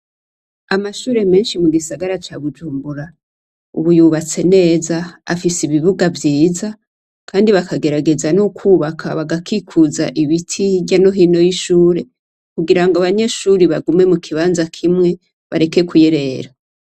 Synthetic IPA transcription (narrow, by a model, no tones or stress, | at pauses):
amaʃuːɾe̞me̞ːnʃimuɡisaɡaɾat͡ʃaβud͡ʒuːmbuɾa | uβujuβat͡se̞ne̞ːzaa̰fisiβiβuɡavjiːza | kʰaːndiβakʰaɡe̞ɾaɡe̞zanukʰuːβakʰa̰βaɡakikʰuza̰ʔiβitʰiɟano̞ɦiːno̞jiʃuːɾe̞ | kuɡiɾaŋɡoaβaɲe̞ʃuːɾiβaɡume̞mukʰiβaːnzakʰimŋe̞ | βa̰ɾe̞ke̞kʰujeɾe̞ɾa